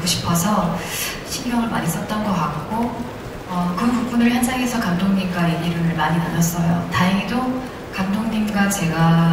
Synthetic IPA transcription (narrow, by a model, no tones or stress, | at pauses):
ɡoɕʰi̥pʰʌsʰʌ | ɕʰinɡjʌŋɯɭma̰ɲis͈ʌt̚t͈ʌnɡʌk͈ak̚k͈o | ʌkɯʌnpuk̚p͈unɯɭçjʌnd͡ʑaŋe̞sʰʌkandoŋɲik͈ainiɾɯɭmaɲinanʌs͈ʌjo̰taiɡido | kandoŋɲimɡat͡ɕe̞ɡa